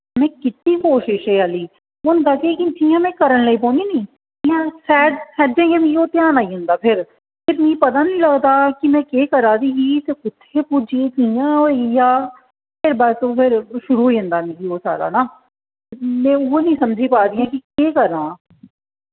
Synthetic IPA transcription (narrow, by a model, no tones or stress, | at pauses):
mɛ̃ːkɪt̪niːkoːʃɪʃɛːaliː | mʊnk̪aːkeːkɪt̪ʰiãːmɛ̃ːkəɾənləiːpõːniːnĩː | mɛ̃ːsɛːɖsɛːɖd͡ʒẽːɡẽːmĩoːt̪jaːnaːiɦʊ̃nd̪aːpʰɪɾ | pʰɪɾmĩːpət̪aːnəĩːləɡd̪aːkimɛ̃ːkeːkəɾaːd̪iːɡiːt̪eːʊt̪ʰːeːpud͡ʒiːk̪ijãːɦoijaː | pʰɪɾbat̪õːpʰɪɾʃʊɾuːɦoiːɦʊ̃nd̪aːmĩːɡiːoːsa̰ːɾa̰ːnaː | mɛ̃ːʊnəĩːsəmd͡ʒiːpaːd̪iːãːkikeːkəɾãː